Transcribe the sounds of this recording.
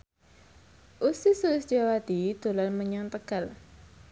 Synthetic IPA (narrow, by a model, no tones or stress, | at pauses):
ʔusisuɪsd͡ʒawad̪̥id̪̥o̤lanməɲaŋt̪əɡ̥al